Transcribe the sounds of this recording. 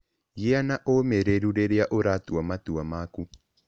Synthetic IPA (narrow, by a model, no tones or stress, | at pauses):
jeanaʔomeɾeɾuɾeɾeaʔoɾatuamatuamaku